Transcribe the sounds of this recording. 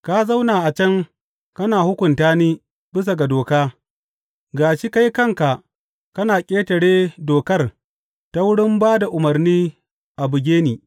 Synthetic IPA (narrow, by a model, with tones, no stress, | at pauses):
ka˦za˦wnaː˨ʔa˨t͡ʃɐ˦ŋ | kɐ˦naː˨hʊ˦kʷʊ˨ntaː˦niː˦ | bɪ˦s̬a˨ɡa˨doː˨kaː˦ | ɡaː˨ʃi˦ka˦jkɐ˦ŋka˨ | kɐ˦naː˨kʲʼeː˦tɐ˨ɽeː˦doː˨kɐ˦r | ta˦wʊ˦ɽɪ˦mbaː˦da˨ʔʊ˨mɐ˨rniː˦ | ʔa˨bʊ˨ɡʲeː˦niː˨